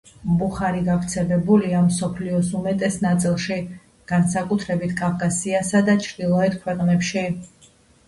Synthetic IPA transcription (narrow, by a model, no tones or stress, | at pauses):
mbuχaɾiɡavɾt̪sʰɛlɛbuliamsɔpʰliɔsumɛt̪ʼɛsnat̪sʼilˠʃi | ɡ̥ansakʼut̪ʰɾɛbit̪ʰkʼafkʼasiasad̪at͡ʃʰɾd̪ilˠɔɛt̪̚kʰwɛqʼnɛpʃi